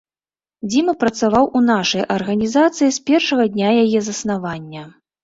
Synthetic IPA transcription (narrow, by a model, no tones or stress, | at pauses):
d͡zʲimɐpɾɐt̪savawʔunaʂɐjʔɐrɣɐnʲizat̪sɨjispʲɛrʂɐɣɐd̪ʲnʲajajɛzɐsnavanʲːɐ